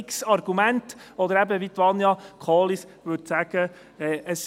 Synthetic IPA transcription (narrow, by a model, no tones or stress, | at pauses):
ksɑɾɡ̥umæntɔd̪əɾæbəʋit̪ʋɑnjɑkʰɑːlisʋɵtsæɡ̥ə | ɛəs